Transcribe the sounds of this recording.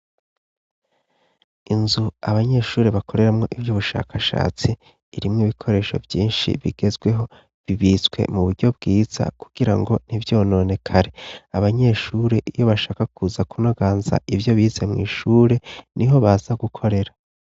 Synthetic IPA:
inzuaβaɲe̞ːʃuːɾe̞βakʰo̞ɾe̞ɾamŋo̞ʔivjuːβuʃa̰ːkʰaʃa̰ːt͡siː | ɾimŋiβikʰo̞ɾe̞ːʃo̞̰vjiːnʃḭβḭɡe̞zɡwe̞ɦo̞ | βiβiːzɡwe̞̰muβuɾɟo̞b̚ɡiːz̥a̰ku̥ɡ̥iɾaŋɡo̞n̥ivjo̞ːno̞ne̞kʰaɾe̞aβaɲe̞ːʃuːɾe̞ʔijo̞βaʃaːkakuzakuno̞ɡaːnza̰ʔivjo̞βiːzemŋḭːʃuːɾe̞niɦo̞βaːzaɡukʰo̞ɾe̞ɾa

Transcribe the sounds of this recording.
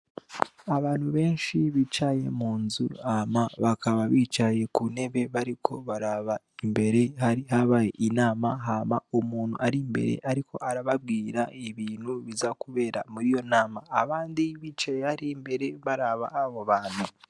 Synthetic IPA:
aβaːn̥huβe̞ːnʃiβit͡ʃaje̞̰muːnzuamaβakaβaβiːt͡ʃaje̞kune̞βe̞βaɾikʰo̞βaɾaβa | imbe̞ɾe̞haɾihaβaːje̞̰ʔinaːmaɦaβaomuːnhuʔaɾimbe̞̰ɾe̞̰ʔaɾikʰo̞̰ʔaɾaβab̚ɡiːɾaeβiːn̤huβizakuβe̞ːɾa̰muɾijo̞naːmaːβaːndiβiːt͡ʃajehaɾimbe̞ɾe̞βaɾaβa̰ʔːβoβaːn̤̥u

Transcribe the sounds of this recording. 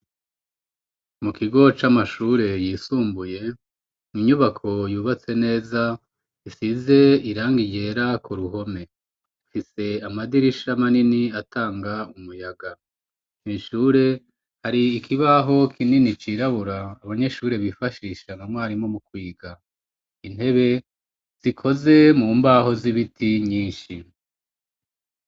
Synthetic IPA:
mukiɡo̞t͡ʃamaʃuːɾe̞jiːsuːmbuje̞ | iɲuβakʰo̞juːβat͡se̞ne̞ːza | isize̞iɾaːŋɡiɟe̞ːɾakuɾuɦo̞me̞ | fise̞amadiɾiʃamaniniatʰaːŋɡaumujaɡa | inʃuːɾe̞ | haɾiːkʰiβaɦo̞kʰininit͡ʃiːɾaβuɾaːβaɲe̞ʃuːɾe̞βifaʃiʃanamŋwaːɾimo̞mukwiːɡa | in̥he̞βe̞ | z̥ikʰo̞ze̞muːmbaɦo̞ziβitʰiɲiːnʃi

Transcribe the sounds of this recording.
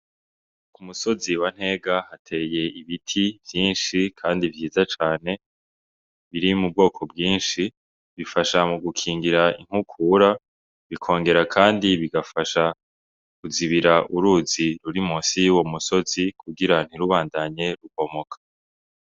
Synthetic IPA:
kumuso̞ziwan̥he̞ːɡahatʰe̞je̞iβitʰivjiːnʃikʰaːndivjiːzat͡ʃaːne̞ | βiɾimub̚ɡo̞ːkʰo̞bɡiːnʃi | βifaʃamuɡukʰiːŋɡiɾaiŋ̥hukʰuːɾa | βikʰo̞ːŋɡe̞ɾakʰaːndiβiɡafaʃa | kuziβiɾaʔuɾuːziɾuɾimuːsijuwo̞muso̞zikuɡiɾan̥iɾuβaːndaɲe̞ɾuko̞mo̞kʰḁ

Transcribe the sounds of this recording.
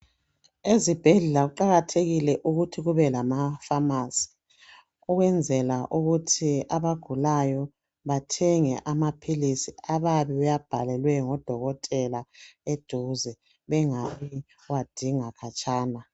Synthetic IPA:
ezib̥ʱɛɮɛlaɣuǃaɣatʰeɣilɛʔuɣutʰiɣuβɛlamafamazi̥ | uɣwɛnd͡zʱɛlaʔuɣutʰiaβaɡ̥ʱulajɔ | βatʰɛŋɛ̰ʔamapʰilisiaβaβiβajab̥ʱalɛlwɛŋɔd̥ʱɔɣɔtʼɛlaed̥ʱuzɛ | βɛŋaβi | wad̥ʱiŋakʰat͡ʃʼaːna

